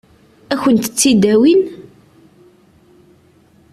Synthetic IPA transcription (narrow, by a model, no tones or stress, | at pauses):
æçənt̪ət͡sːid̪æwin